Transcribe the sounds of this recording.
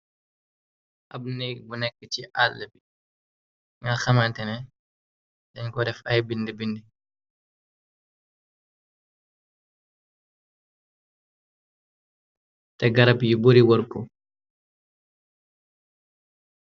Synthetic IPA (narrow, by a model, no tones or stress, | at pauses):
ʔab̚nɛbunɛkːət͡ʃiʔalːɛbi | ŋalxamantɛnɛ | dɛɲkɔdɛfajbindibindi | tɛɡaɾabjubuɾiwɔɾkːɔ